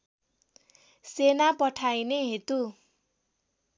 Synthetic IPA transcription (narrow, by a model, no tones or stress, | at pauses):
senapʌʈʰajneɦet̪u